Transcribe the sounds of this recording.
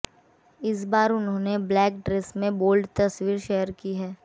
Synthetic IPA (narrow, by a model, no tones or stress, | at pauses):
ɪs̬baːɾʊnɦõːneblɛːk̚ɖɾeːsmẽboːlɖt̪ɐswiːɾʃɛɦəɾkiɦɛː